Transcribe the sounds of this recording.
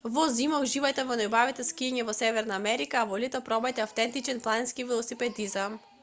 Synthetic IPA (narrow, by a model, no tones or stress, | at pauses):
vɔzimauʒivajt̪ɛvɔnajbavit̪ɛskiɛɲɛvɔsɛvɛɾnaːmɛɾikaːvɔlit̪ɔpɾɔbajt̪ɛaft̪ɛnt̪it͡ʃɛnplˠanɛnskivilˠɔsipɛd̪izam